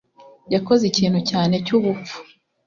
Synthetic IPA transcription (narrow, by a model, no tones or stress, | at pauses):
jako̞ziciːn̥hucaːne̞cuβup͡fu̥